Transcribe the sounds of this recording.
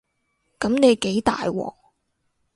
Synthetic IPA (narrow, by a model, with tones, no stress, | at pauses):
kɐ˨˧˥mne˨˧jke˨˥jt̪a̰ː˨jwɔ̰ː˨˧